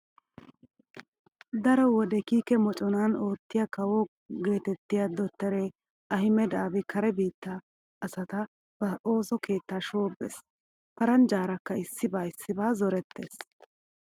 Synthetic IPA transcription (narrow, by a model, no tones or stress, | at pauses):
d̪ɐɾɔwɔd̪ɛkiːkɛmɔt͡ʃʼɔnaːno̞ːt̪ːɪjakɐwɔ | ɡe̞ːt̪ɛt̪ːɪjad̪ɔt̪ːɛɾe | ʔɐhɪmɛd̪aːbɪkɐɾɛbiːt̪ːaː | sɐt̪ɐ | b̥ɐo̞ːsɔke̞ːt̪ːaːʃoːbːḛs | pɐɾɐnd͡ʒaːɾɐkːɐɪsːɪbaːɪsːɪbaːzɔɾɛt̪ːe̞̰ːs